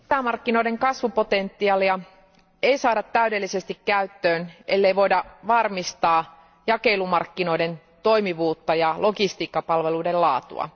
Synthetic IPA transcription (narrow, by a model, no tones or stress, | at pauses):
æmɑrkːino̞ideŋkɑsʋupot̪ent̪ːiɑliɑ | eisɑːdɑt̪tːæydelːisest̪ikkæyt̪ːøːnelːeiʋo̞idɑʋɑrmist̪ɑː | jɑkeilumɑrkːino̞iden | t̪o̞imiʋuːt̪ːɑjɑlʔokist̪iːkːɑpɑlʋeluidellɑːt̪ṵɑ̰